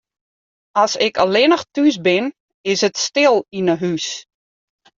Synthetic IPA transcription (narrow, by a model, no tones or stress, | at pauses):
asɪkəlɪnəxtys̬bɪn | ɪsətstɪlˠinəɦys